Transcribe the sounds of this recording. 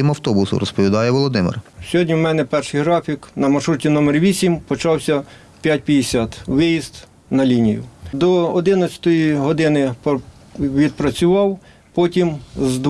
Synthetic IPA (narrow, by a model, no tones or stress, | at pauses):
imɐwt̪ɔbʊsʊ̰ɾɔspɔʋʲid̪ɑjɛʋɔlˠɔd̪ɪmɪ̰rsʲɔɦɔdʲnʲiwmɛnɛpɛrʃɪjɦɾɑfʲiknɐmɐʃɾutʲinɔmɛrʋʲisʲimpɔt͡ʃɑwsʲɐ | pʲjat̚ʲpʲjɐd̪esʲɑt̪ʋɪjizt̪ | nɐlʲinʲijʊ̰d̪ɔɔd̪ɪnɐt͡sʲɐ̥t̪ɔjiɦɔd̪ɪnɪp | ʋʲid̪̚pɾɐt͡sʲʊʋɑw | pɔtʲimzd̪